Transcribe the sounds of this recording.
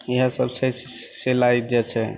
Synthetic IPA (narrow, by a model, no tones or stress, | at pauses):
iɦəsəbt͡ʃʰɛselaid͡ʒɛt͡ʃʰɛ